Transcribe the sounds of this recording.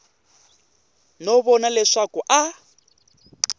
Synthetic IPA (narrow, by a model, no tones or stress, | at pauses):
nɔβɔnalɛʂakʊʔa